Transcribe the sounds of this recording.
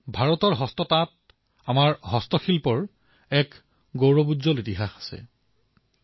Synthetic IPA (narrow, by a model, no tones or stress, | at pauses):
bʱaɹɔtɔɹɦɔstɔtat̚ | amaɹɦɔstɔxilpɔɹ | ɛk | ɡowɹɔbudzɔlitiɦaxḁsɛ̰